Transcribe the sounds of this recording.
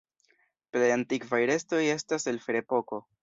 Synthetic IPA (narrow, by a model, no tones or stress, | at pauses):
plejantikvajɾe̞sto̞je̞stase̞lfeɾe̞po̞ko̞